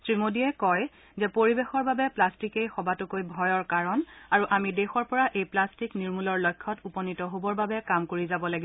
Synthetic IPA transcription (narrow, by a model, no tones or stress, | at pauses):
sɹimodiɛkɔj | zɛpoɹibexɔɹbabɛplastikejxɔbatʊkojbʱɔjɔɹkaɹɔnaɹuʔamidexɔɹpɔɹaʔejplastikniɹmulɔɹlɔjkʰːɔtupɔnitɔɦobɔɹbabɛkamkoɹizabɔlaɡi